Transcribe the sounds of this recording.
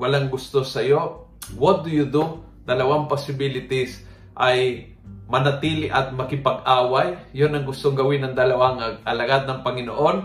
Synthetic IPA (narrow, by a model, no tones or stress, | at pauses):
wɐlaŋɡʊst̪osɐjo | wod̪jʊd̪ʊ | d̪ɐlɐwaŋposɪbilɪt̪ɪs | ʔɐj | mɐnɐt̪iːlɪʔɐt̪̚mɐkɪpɐɡʔaːwajjonɐŋɡʊst̪oŋɡɐwɪnɐŋd̪ɐlɐwaŋɐʔɐlɐɡad̪̚nɐŋpɐŋɪnoʔo̞n